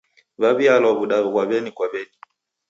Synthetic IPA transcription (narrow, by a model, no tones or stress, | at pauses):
βaβialɔβuɗaβkwaβɛnikwaβɛni